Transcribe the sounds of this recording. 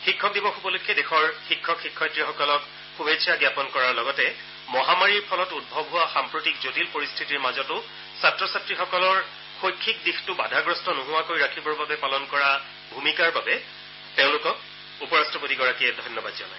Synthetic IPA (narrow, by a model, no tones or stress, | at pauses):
xikʰːɔk̚dibɔxubɔlʊkɛdexɔɹxikʰːɔkxikʰːɔjtɹixɔkɔlɔk | xubesʰaɡjapɔnkɔɹaɹlɔɡɔtɛ | mɔɦamaɹiɹpʰɔlɔtut̚bʱɔbɦʊwaxampɹotikzotilpoɹistʰitiɹmazɔtʊ | satɹɔsatɹixɔkɔlɔɹ | xojkʰːikdixtʊba̰dʱaɡɹɔstɔnʊɦʊwakoɹiɹakʰibɔɹbabɛpalɔnkɔɹa | bʱumikaɹbabɛ | teʊ̃lʊkɔk̚ | upɔɹastɔpotiɡɔɹakiɛdʱɔjnːɔbadzɔ̰laj